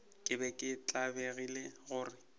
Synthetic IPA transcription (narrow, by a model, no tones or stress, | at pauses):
kʼɪbɛkʼɪt͡ɬʼabeɣileɣʊːrɪ